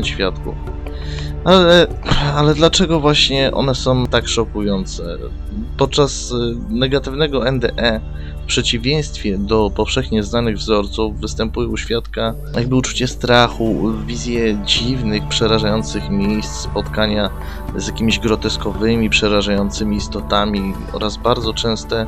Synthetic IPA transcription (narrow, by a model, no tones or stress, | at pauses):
ɕfʲjat̪kṵf | alɛ | alɛd̪lat͡ʂɛɡɔvwaɕɲɛʔɔ̰nɛsɔ̃w̃t̪akʂɔkujɔnt̪sɛ̰ | pɔt̪̚t͡ʂasnɛɡat̪ɘvnɛɡɔɛnd̪ɛʔɛ | fpʂɛt͡ɕivʲjɛj̃st̪fʲjɛd̪ɔpɔfʂɛxɲɛznanɘɣvzɔɾt̪suvːɘst̪ɛmpujɛuɕfʲjat̪ka | jaɡ̚bɘut͡ʂu̥t͡ɕɛst̪ɾaxuvʲizʲjɛd͡ʑivnɘxpʂɛɾaʐajɔnt̪sɘxmʲjejst̪sspɔt̪kaɲa | zʲjakʲimʲiʑɡɾɔt̪ɛskɔvɘmʲipʂɛɾaʐajɔnt̪sɘmʲiːst̪ɔt̪amʲi | ɔ̰ɾazbaɾd̪zɔt͡ʂɛ̃w̃st̪ɛ